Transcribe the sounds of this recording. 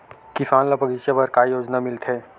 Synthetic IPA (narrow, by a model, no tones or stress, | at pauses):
kifaːnlapəɡiʃabəɾkajoːd͡ʒnamɪlt̪ʰe